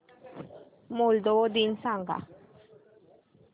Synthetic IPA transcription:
mold̪od̪insaŋɡa̰

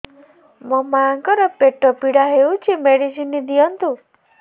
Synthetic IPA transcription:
mɔmaaŋkɔɾɔpeʈːɔpiɽaɦeut͡ʃʰimeɽisinːid̪ijɔnt̪u

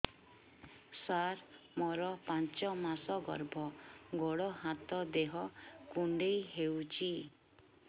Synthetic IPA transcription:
saɾmɔɾɔpãnt͡ʃɔmasɔɡɔ̰ɾbʱɔɡɔɽɔɦat̪ɔd̪eɦɔkuɳɖejɦewt͡ʃʰi

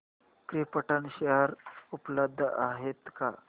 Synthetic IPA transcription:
kɾipəʈanɕeɦəɾupləb̚d̪ʱːəʔaɦet̪ka̰

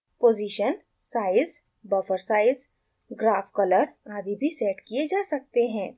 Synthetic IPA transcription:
poːziʃən | saːɪz | bɐfəɾsaːɪz | ɡɾaːfkɐləɾaːd̪ʱibʱisɛːʈkied͡ʒaːsɐk̚t̪eɦɛ̃ː

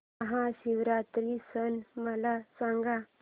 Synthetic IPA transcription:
əɦãɕiʋɾat̪ɾisənməlasãŋɡa

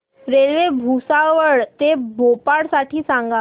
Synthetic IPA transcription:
ɾeɭʋebʱusaʋəɭt̪ebʱopaɽsaʈʰiːsãŋɡa

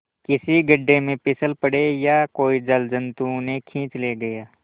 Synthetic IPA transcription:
kɪsiɡɐɖːemẽpɪsəlpəɽejakoːid͡ʒɐld͡ʒə̃nt̪unẽkʰĩːt͡ʃleːɡɐjaː

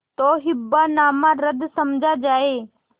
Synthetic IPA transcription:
t̪oːɦɪbːanaːmãɾəd̪sɐmd͡ʒʱad͡ʒaːeː

